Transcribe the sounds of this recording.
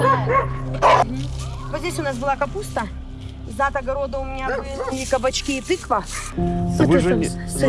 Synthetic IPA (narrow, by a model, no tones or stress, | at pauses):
ɦm̩vot̪zʲdʲesʲʊnas̬bɨlˠakɐpust̪ə | zat̪ɐɡɐɾo̞d̪əʊmʲɪnʲabɨlʲɪikəbɐt͡ɕkʲiːt̪ɨklˠə | vɨʐɨ